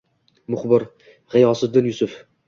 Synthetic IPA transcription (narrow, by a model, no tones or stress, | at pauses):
mʊχbɪɾ | ʁɪjɒːsɨd̪ːɪnjʊsʊf